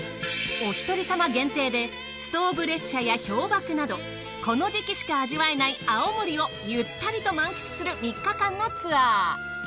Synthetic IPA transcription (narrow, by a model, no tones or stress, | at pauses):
o̞çʲi̥t̪o̞ɾʲisamaɡẽ̞nt̪e̞ːd̪e̞ | sɨ̥t̪o̞ːbɯ̟ɾe̞ɕɕajaço̞ːbakɯ̟nad̪o̞ | ko̞no̞ʑikʲiɕi̥kaːʑiβae̞naiao̞moɾʲio̞ | jɯ̟t̪ːaɾʲit̪o̞mãŋkʲi̥t͡sɨ̥sɨɾɯ̟mʲikːakãnːo̞t͡sɨβa